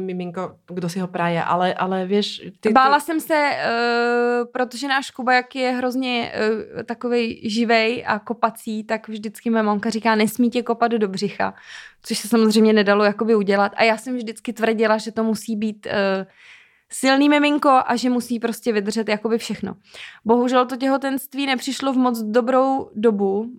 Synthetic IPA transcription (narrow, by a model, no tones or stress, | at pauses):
mɪmɪŋkoɡdosɪɦopɾajɛʔa̰lɛʔalɛvjɛʃt̪ɪbaːlasɛmsɛ | pɾo̞t̪oʒɛnaːʃkubajakjɛɦɾo̞zɲɛt̪ako̞vɛjʒɪvɛjʔa̰ko̞pat͡siːt̪akvʒdɪt͡skɪmojɛmaŋkar̝iːkaːnɛsmiːcɛkopadddobr̝ɪxa̰t͡soʃsɛsamozrejmɲɛnɛdalo̞jakobɪuɟɛlat̪a̰jaːsɛmvʒdɪt͡skɪt̪vr̩ɟɪlaʒɛt̪o̞musiːbiːt̪ː | sɪlniːmɛmɪŋko̞ʔaʒɛmusiːpɾo̞scɛvɪd̪r̩ʒɛt̪jako̞bɪfʃɛxno̞̰ | bo̞ɦuʒɛlt̪o̞c̬ɛɦo̞t̪ɛnst̪viːnɛpr̥ɪʃlo̞vmot͡sdo̞bɾo̞wdo̞bu